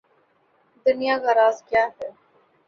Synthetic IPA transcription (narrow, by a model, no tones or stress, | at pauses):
d̪ʊnijakaɾaːzkjaːɦɛː